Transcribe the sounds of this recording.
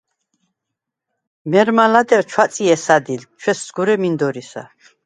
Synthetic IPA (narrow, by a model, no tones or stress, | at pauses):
mɛɾmalad̪ɛɾt͡ʃʰwat̪sʼiɛsad̪ilt͡ʃʰwɛszɡuɾɛmind̪ɔɾisa̰